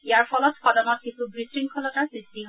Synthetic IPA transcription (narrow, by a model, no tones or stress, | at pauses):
ijaɹpʰɔlɔtfɔdɔnɔt̚kisubɹisɹiŋkʰɔlɔtaɹsɹistiɦ